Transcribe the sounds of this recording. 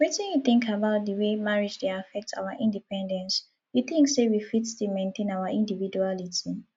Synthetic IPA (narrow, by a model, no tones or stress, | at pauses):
wɛtɛ̃njuθɪ̃ŋkʰabaʊt̚dəwemaɹid͡ʒdeafɛk̚tʰa̰ʊaʔĩndipɛ̃ndɛ̃ns | juθĩŋksewifitstumẽntʰẽnawaʔĩndividualitʰi